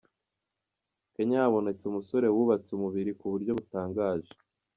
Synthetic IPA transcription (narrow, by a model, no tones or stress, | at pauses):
keɲaaβo̞ne̞t͡sumuso̞ɾe̞wuβat͡sumuβiɾikuβuɾɟo̞βutaːŋɡaːʒe